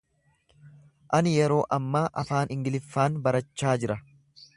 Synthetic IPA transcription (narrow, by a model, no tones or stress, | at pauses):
ʔɐnɪjɛɾo̞ːʔɐmːaːʔɐfaːnʔɪŋɡɪlɪfːaːnbɐɾɐt͡ʃːaːd͡ʒɪɾɐ